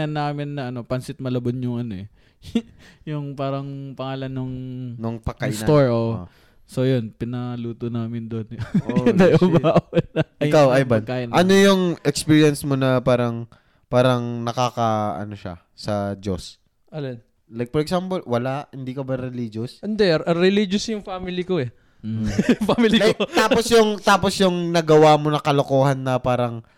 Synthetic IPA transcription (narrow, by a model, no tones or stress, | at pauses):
ɐnːaːmɪnːɐʔɐno̞pɐnsɪt̪̚mɐlɐbonjʊŋʔɐno̞ɛ | jʊŋpaːɾɐŋpɐŋaːlɐnːʊŋnoŋpɐkːajst̪oɹʔoːʔo | so̞jonpɪnɐluːt̪onaːmɪnd̪onnɐɐbaaʔnɐɐɪjkawɐjbɐnkːaʔɪnʔɐnojʊŋʔɛkspiːɹiɐnsmonɐpaːɾɐŋ | paːɾɐŋnɐkaːkɐʔɐ̰noʃa̰ | sɐd͡ʒo̰s | ʔɐlod̪ | lajk̚fɔɾɛkɡsampolwɐlaʔhɪnd̪iːkɐbɐɾɛliːd͡ʒosɛnd̪ɛʔɐɾɛlid͡ʒʊsjʊŋfaːmɪlikoɛ | faːmililjk̪aːposjʊŋt̪aːpo̞sjʊŋnɐɡɐwaːmonɐkɐlokoːhɐnːɐpaːɾɐŋ